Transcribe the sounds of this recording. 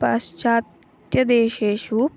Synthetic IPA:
ɐ̰st͡ʃaːt̪ | jɐd̪eːʃeːʃup

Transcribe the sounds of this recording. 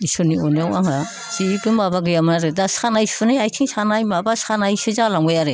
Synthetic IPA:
isoniɔneawaŋa | siβiɡɯbabaɡɯjamnaɾedasanajsunajajtʰiŋsanajmabasanajsɯzalaŋɡajaɾe

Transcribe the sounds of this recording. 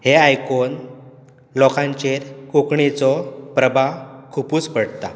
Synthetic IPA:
heajkon | lɔkʰãɲt͡ɕeɾkokɳit͡sɔpɾəbʱakʰupuːt͡spəɽt̪a̰

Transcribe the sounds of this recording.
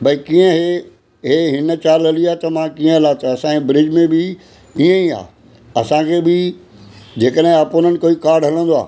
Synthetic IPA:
bɐikiːə̃ɦe | ɦeɦɪnə̆t͡ɕaːləliaːt̪ɐmãkĩːə̃laːt̪əɐsãẽbɾɪd͡ʑmẽbʱɪ | ĩːə̃ĩa̰ː | ɐsãkʰeːbɪ | d͡ʑeːkəɗɦɪ̃aːpoːnənɪ̆koːikaːɾɖɦɐlə̃nd̪oa̰ː

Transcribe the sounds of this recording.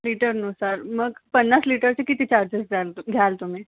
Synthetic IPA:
liʈəɾnosaɾməɡpənːasliʈəɾt͡ɕekit̪it͡ɕaɾd͡ʑesɡalɡʱjalt̪um̤i

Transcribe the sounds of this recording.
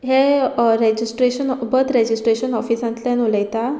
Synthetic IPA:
ɦeɾed͡ʑisʈɾeɕənbəd̪ɾed͡ʑisʈɾeɕənɔfisãnt̪lẽnoləjt̪a

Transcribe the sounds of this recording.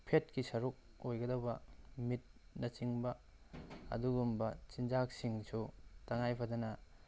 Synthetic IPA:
pʰet̚kisɐɾuk̚ | ojɡɐdɐwbɐmit̚nɐt͡ʃiŋbɐ | ɐ̰duɡumbɐt͡ʃind͡ʒak̚siŋsutɐŋajpʰɐdɐnɐ

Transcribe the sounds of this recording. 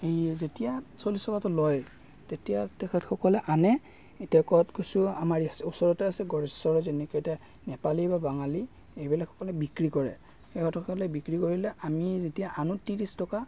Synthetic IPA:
ejzetijasolistɔkatɔlɔj | tetijatɛkʰɛtxʰɔkɔlɛʔanɛ | etijakɔtɡojsʊamaɹɛsusɔɹɔtɛasɛɡɔɹɛsɔɹɛzenikɔeta | nɛpalibabaŋali | ejbilakxʰɔ̥kɔlɛbikɹikɔɹɛ̰ | xekʰɔtɔxɔɔlɛbikɹikoɹilɛamizetijaʔanutiɹistɔka

